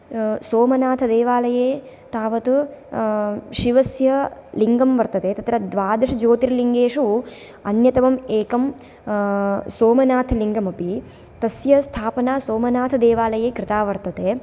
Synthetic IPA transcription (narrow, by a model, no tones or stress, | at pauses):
soːmɐnaːt̪ʰɐd̪eːʋaːlɐjeː | t̪aːʋɐt̪u | ʃiʋɐsjɐliŋɡɐmʋɐɾt̪ɐt̪eːt̪ɐt̪ɾɐd̪ʋaːd̪ɐʂɐd͡ʒoːt̪iɾliŋɡeːʂu | ɐnjɐt̪ɐʋɐmeːkɐm | soːmɐnaːt̪ʰɐliŋɡɐmɐpi | t̪ɐsjɐst̪ʰaːpɐnaːsoːmɐnaːt̪ʰɐd̪eːʋaːlɐjeːkɾɪt̪aːʋɐɾt̪ɐt̪eː